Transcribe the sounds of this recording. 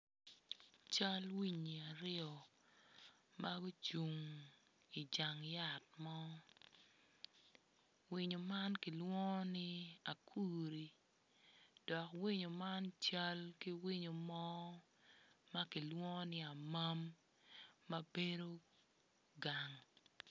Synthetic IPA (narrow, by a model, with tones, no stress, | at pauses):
t͡ʃa˦lwi˦ɲi˨a˨ɾɪ˦ɔ˨ | ma˦ɡo˦t͡ʃu˨ŋ | i˨d͡ʒa˨ŋja˦˨t̚mɔ˦ | wi˦ɲo˨ma˦nki˨lwɔ˦ɔ˦nɪ˦a˨kʰu˦ɾi˨ | d̥ɔ˨kwi˦ɲo˨ma˦nt͡ʃa˦lki˦wi˦ɲo˨mɔ˦ | ma˦ki˨lwɔ˦ŋɔ˦nɪ˦a˨ma˦mː | ɐ˦be˦do˦ | ɡa˨ŋ